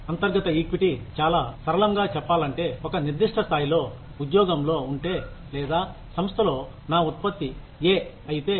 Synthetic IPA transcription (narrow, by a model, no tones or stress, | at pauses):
ɐnt̪ɐɾɡɐt̪ɐiːkʋiʈit͡ʃaːlaːsɐɾɐlɐŋɡaːt͡ʃɛpːaːlɐɳʈe̞ːɔkɐniɾd̪iʂʈʰɐst̪ʰaːjilo̞ː | ud̪jɔːɡɐmlo̞ːuɳʈe̞ː | lɛːd̪aː | sɐmst̪ʰɐlo̞ː | naːut̪̚pɐt̪ːi | eː | ɐjit̪e̞ː